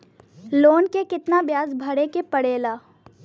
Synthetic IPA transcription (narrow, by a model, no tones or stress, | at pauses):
loːnkekɪt̪nabjaːzbʱɐɽekepɐɽeːlaː